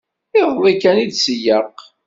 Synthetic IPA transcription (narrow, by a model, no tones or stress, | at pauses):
ɪʁwikænid̪səjəq